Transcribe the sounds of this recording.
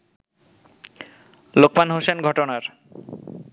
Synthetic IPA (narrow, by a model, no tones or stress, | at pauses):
lok̚panɦosenɡʱɔʈonaɾ